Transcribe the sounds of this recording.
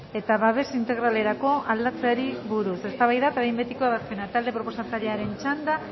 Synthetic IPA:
e̞t̪aβaβe̞sint̪e̞ɣɾale̞ɾako̞ald̪at͡seaɾiβuɾuse̞st̪aβajðat̪aðimbet̪ikoaβasenat̪ald̪e̞pɾo̞po̞sat̪aɾeaɾe̞nt͡ʃand̪a

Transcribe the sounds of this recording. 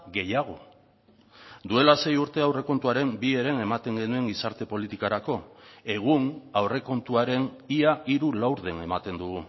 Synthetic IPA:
ɡe̞jaɣ̞o̞ | d̪ue̞lase̞juɾt̪e̞awre̞ko̞nt̪uaɾe̞mbie̞ɾe̞ne̞mat̪e̞ŋɡe̞nue̞ŋɡisaɾt̪e̞po̞lit̪ikaɾako̞e̞ɣ̞unawre̞ko̞nt̪uaɾe̞niaʔiɾulawɾðe̞ne̞mat̪e̞nd̪uɣ̞u

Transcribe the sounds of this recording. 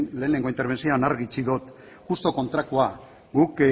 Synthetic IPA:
nle̞ːneŋɡo̞int̪eɾβ̞e̞nsioanaɾɣit͡ʃiðot̪ | ʝust̪o̞ko̞nt̪ɾakua | ɡuk

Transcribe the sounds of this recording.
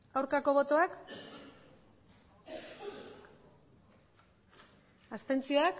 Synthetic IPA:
awɾkako̞β̞o̞t̪o̞ak | ast̪e̞nt͡sioak

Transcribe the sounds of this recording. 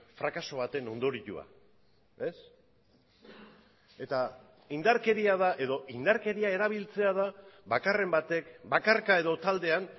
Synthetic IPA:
fɾakaso̞β̞at̪e̞no̞nd̪o̞ɾiʎṵa̰ | e̞s | e̞t̪a | ind̪aɾke̞ɾiaðaʔe̞ðo̞ʔind̪aɾke̞ɾiae̞ɾaβ̞ilt͡se̞að̞aβakare̞mbat̪e̞kbakaɾkae̞ðo̞t̪ald̪e̞an

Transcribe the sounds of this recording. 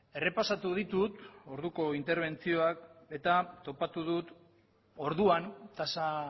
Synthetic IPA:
e̞re̞pasat̪uðit̪ut̪o̞ɾðuko̞int̪e̞ɾβ̞e̞nt͡sio̞ake̞t̪at̪o̞pat̪uðut̪ | o̞ɾðuant̪asa

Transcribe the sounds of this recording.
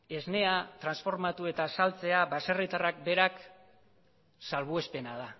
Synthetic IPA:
e̞zne̞at̪ɾansfo̞ɾmat̪ue̞t̪asalt͡se̞aβase̞rit̪arak̚be̞ɾak | salβue̞spe̞nað̞a

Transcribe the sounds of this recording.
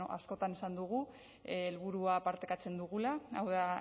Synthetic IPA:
oʔa̰sko̞t̪anesand̪uɣ̞u | elβ̞uɾuapaɾt̪e̞kat͡se̞nd̪uɣ̞ulaa̰wða

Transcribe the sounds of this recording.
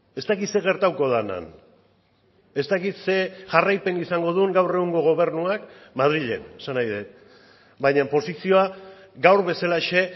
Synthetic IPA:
e̞st̪akit̪se̞ɣ̞e̞ɾt̪awko̞ð̞ana̰n | e̞st̪akit̪se̞ʝarajpe̞nisaŋɡo̞ðuŋɡawre̞ɣuŋɡo̞ɣ̞o̞β̞e̞ɾnuakmað̞ɾiʎe̞̰nesanajðet̪̚ | bajɲampo̞sisio̞a | ɡawɾβe̞salaʃe̞

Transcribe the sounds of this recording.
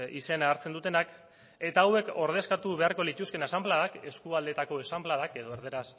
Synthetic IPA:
ise̞naːɾt͡se̞nd̪ut̪e̞nak | e̞t̪aːwe̞ko̞ɾð̞e̞skat̪uβe̞aɾko̞lit̪uske̞nasamblaðake̞skuald̪e̞t̪ako̞e̞samblaðake̞ðo̞eɾðe̞ɾas

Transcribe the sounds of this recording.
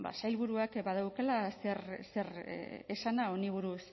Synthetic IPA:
ba̰sajlβuɾuakbað̞awkelase̞ɾse̞ɾ̰esanao̞niβ̞uɾus

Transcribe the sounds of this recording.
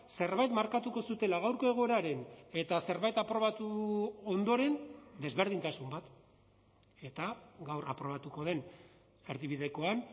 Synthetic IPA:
se̞ɾβajt̪maɾkat̪uko̞sut̪e̞laɣawɾko̞e̞ɣo̞eɾaɾe̞ne̞t̪ase̞ɾβajt̪apɾo̞βat̪uo̞nd̪o̞ɾe̞nd̪e̞zβe̞ɾð̞int̪asumbat̪ | e̞t̪aɡawɾa̰pɾo̞β̞at̪uko̞ð̞e̞n | feɾðiβiðe̞ko̞an

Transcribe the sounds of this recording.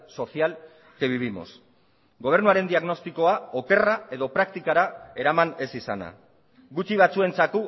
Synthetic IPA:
so̞sial | keβiβimo̞̰s | ɡo̞β̞e̞ɾnuaɾe̞nd̪iaɣno̞st̪iko̞ao̞ke̞rae̞ðo̞pɾakt̪ikaɾae̞ɾamane̞sisa̰na̰ | ɡut͡ʃiβ̞at͡sue̞nt͡saku

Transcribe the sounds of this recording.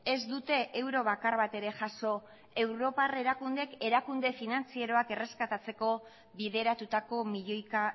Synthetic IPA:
e̞zd̪ut̪e̞ʔewɾo̞β̞akarβat̪e̞ɾe̞ʝaso̞ | e̞wɾo̞pare̞ɾakund̪e̞ke̞ɾakund̪e̞finant͡sieɾo̞ake̞re̞skat̪at͡se̞ko̞ | βiðe̞ɾat̪ut̪ako̞miʎojka

